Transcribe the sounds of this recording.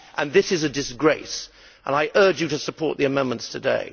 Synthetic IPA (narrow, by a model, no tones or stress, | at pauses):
ʔə̃nðɪsɨzɨdɨsɡ̥ɹeɪs | ʔə̃naɪʔɜ˞d͡ʒjɨɾɨsəpʰɔɹʔ̪̚ðiɨmɛ̃nmə̃ntstʰɨdḛɪ